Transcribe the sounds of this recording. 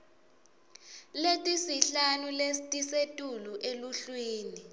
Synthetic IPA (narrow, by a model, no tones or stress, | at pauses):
letʼisiɬanuletʼisetʼuluʔeluɬwiːni